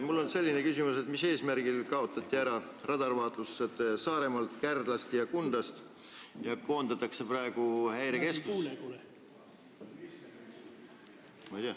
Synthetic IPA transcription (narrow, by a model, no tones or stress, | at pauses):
mulːo̞nse̞lʲːinekysimuse̞t̪mise̞ːsmærɡ̥ilkɑo̞t̪ːˑɑt̪ˑːiæɾɑ | rɑd̪̥ɑrvɑːt̪lusːet̪sɑːɾe̞mɑlt̪kærd̪̥lɑst̪jɑkund̪̥ɑst̪ | jɑko̞ːnd̪̥ɑt̪ːˑɑkse̞prɑeɡ̥uhæjɾeke̞skus | mɑjt̪ɑ